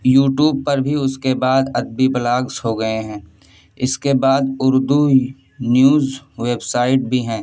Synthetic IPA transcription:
juːʈjuːb̚pɐɾbʱiʊskebaːd̪ɐd̪̚bibɐlaːɡzɦoɡɐeɦɛ̃ː | ɪskebaːd̪ʊɾd̪u | njuːzʋeːbsaːɪʈ̚bʱiɦɛ̃ː

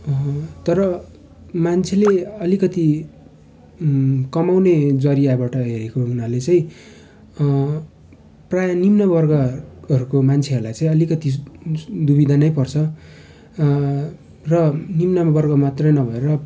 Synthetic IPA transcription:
t̪ʌɾʌ | mant͡sʰeleʌlikʌt̪i | kʌmawned͡zʌɾijabaʈʌɦeɾekounalet͡sʌĩ | prajʌnimnʌbʌrɡʌʌɾukomant͡sʰeʌɾulajt͡sʌĩʌlikʌt̪i | d̪ubid̪ʱanʌjpʌrt͡sʰʌ | rʌnimnʌbʌrɡʌmat̪rʌjnʌbʱʌeɾʌ

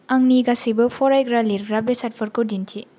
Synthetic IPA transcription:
ɐŋniɡasibɐpʰɔɾajɡɾaliɾɡɾabesat̚pʰɐɾkodintʰi

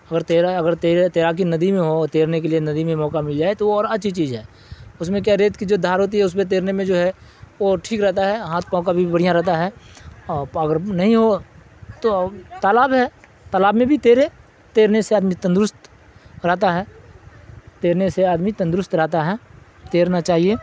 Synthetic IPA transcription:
ɐɡəɾt̪eːɾaɐɡəɾt̪eːɾet̪eːɾak̬inɐd̪imẽɦot̪eːɾnek̬elienɐd̪imẽmɔːkamɪld͡ʒaːet̪ooɔːɾɐtːʃʰit͡ʃiːzɦɛː | ʊsmẽk̬jaɾeːt̪kid͡ʒoːd̪ʱaːɾɦoːt̪̬iɦɛʊs̬mẽt̪̬eːɾnemẽd͡ʒoːɦɛʋoʈʰiːkɾɛɦt̪aɦɛɦãːt̪̚ʰpaːõkabʱibɐɽ̤ijãɾɛɦt̪aɦɛːɔːɐɡəɾnɐɦĩɦo | t̪ot̪aːlaːbɦɛ | t̪aːlaːbmẽbʱit̪eːɾe | t̪eːɾneseaːd̪mit̪ə̃nd̪ɾʊst̪ | ɾɛɦt̪aɦɛː | t̪eːɾneseaːd̪mit̪ə̃nd̪ɾʊst̪ɾɛɦt̪aɦɛ | t̪eːɾnat͡ʃaːɦie

